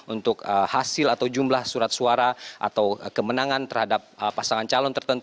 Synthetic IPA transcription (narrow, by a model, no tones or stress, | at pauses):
unt̪ʊkəhasɪlat̪awd͡ʒumlahsuɾat̪̚suaɾaʔa̰t̪awkəmənaŋant̪ərhadap̚əpasaŋant͡ʃalɔnt̪ərt̪ənt̪